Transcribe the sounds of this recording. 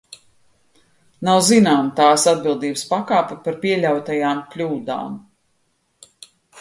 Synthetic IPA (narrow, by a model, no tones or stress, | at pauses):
nawzinaːmt̪aːsad̪̚bilˠd̪iːbəspakaːpɛpaɾpiɛlʲawt̪ajaːmklʲuːd̪a̰ːm